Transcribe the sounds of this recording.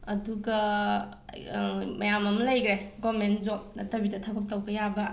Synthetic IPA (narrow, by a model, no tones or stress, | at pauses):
ɐduɡɐ | mɐjamɐmɐlɐjɡɾeɡomenzop̚nɐtɐbitɐtʰabɐp̚tɐwbɐjabɐ